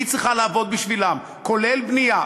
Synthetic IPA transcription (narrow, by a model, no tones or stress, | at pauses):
it͡sʁiχalaːvo̞d̪̚biʃvilam | ko̞le̞lbnija